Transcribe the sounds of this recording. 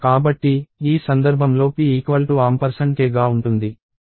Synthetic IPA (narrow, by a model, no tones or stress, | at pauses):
kaːbɐʈːiːsɐnd̪ɐɾbʱɐmlo̞ːpiiːkʋɐlʈuaːmpɐɾsɐɳʈkeːɡaːuɳʈund̪i